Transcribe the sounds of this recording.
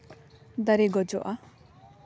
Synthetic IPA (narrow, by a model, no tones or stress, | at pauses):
d̪aɾeɡɔd͡ʒɔʔa